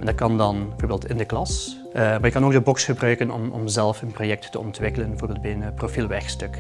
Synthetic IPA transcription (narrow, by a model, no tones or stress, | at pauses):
ɛndɑt̚kɑndɑnbəvoːɹbeːlˠtɪndəklɑs | maːjəkɑnoːk̚dəbɔksχəbrœɥkənɔ̰mɔ̰mzɛlˠfənprojɛk̚ttəɔntʋɪkələnbəvoːɹbel̚ˠbɛjənəprofilˠʋɛɹxstɵk